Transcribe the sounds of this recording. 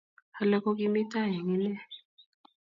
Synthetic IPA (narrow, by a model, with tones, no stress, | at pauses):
ha˨la˦kɔ˦k̬i˦mi˦ta˦˨jɛ˨ŋi˦nɛ˦